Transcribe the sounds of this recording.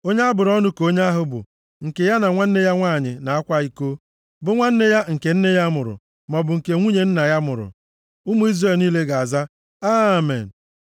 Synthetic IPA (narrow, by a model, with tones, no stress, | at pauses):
o˦ɲe˦a˦bʊ˨ɾɔ˦nʊ˦ko˦ɲ˦a˦ɦʊ˦bʊ̰˨ | ŋ̩˨ke˨ja˦na˨ŋʷa˦n̩˦ne˦ja˦ŋʷaː˦˨ɲɪ˨na˨a˦kʷa˦i˦ko˦ | bʊ˨ŋʷa˦n̩˦ne˦ja˦ŋ̩˨ke˨n̩˦ne˦ja˦mʊ˨ɾʊ̰˨ | mɔ˨bʊ˨ŋ̩˨ke˨ŋʷu˦ɲe˨n̩˦na˨ja˦mʊ˨ɾʊ̰˨ | ʊ˦mu˦i˦zre˦˨lniː˦le˦ɡa˨a˨za˦ | a˦˨mḛ˨n̩˨